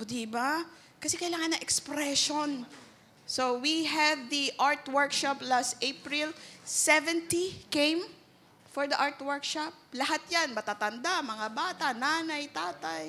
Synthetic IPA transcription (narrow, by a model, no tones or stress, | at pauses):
d̪iba | kɐsɛkɐɪlaːŋɐnːɐŋʔɛkspɾɛʃon | sowiɦɛvd̪iʔaɹt̪wɛɹkʃaplast̪ʔejpɹilsɛvɛnt̪ikẽjm | fɔɹd̪ɐʔaɹt̪wɛɹkʃap̚lɐhat̪̚janmɐt̪aːt̪ɐnd̪amɐŋabaːt̪ɐnaːnajt̪aːt̪aj